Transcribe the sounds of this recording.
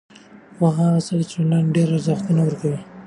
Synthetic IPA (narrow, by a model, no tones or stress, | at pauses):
xaɦɑsad̪ət͡ʃanlanɖeɾaɾzaxt̪unawəɾkawi